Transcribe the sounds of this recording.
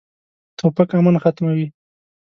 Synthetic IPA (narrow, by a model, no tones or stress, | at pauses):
t̪ʰopakamanxat̪mawi